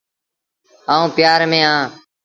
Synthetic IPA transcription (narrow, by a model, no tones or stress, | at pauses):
ɦãːũːpɪjaːɾmẽːãː